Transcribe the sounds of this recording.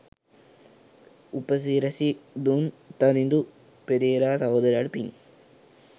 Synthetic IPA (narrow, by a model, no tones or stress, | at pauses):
upːɐs̬iːɾɐsid̪unt̪ɐɾind̪u | peɾeːɾaːsɐɦod̪ɐɾaɽpiŋ